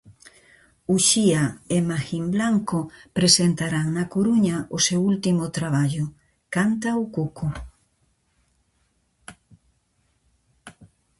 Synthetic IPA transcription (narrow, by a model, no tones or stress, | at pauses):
uʃiaemaximblaŋkopɾesent̪aɾaŋnakoɾuɲaʔosewult̪imʊt̪ɾaβ̞aʎʊ | kant̪aukuko